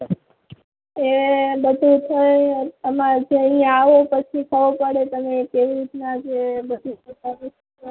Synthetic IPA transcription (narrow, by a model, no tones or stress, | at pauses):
ebəd̪ʱut̪ʰəjəmãd͡ʒeəijãaʋopət͡ʃʰikʰəʋopəɽet̪əmekeʋiɾit̪nad͡ʒebəd̪ʱuut̪əɾu